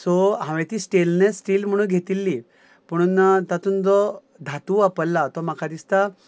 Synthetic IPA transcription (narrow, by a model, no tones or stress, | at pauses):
sɔɦãʋẽt̪iːsʈelnesʈiːlm̤əɽ̃ũːɡʱet̪ilːi | pəɽ̃uːnt̪at̪uːnd͡zɔ | d̪ʱat̪uapəlːat̪ɔmakʰad̪ist̪a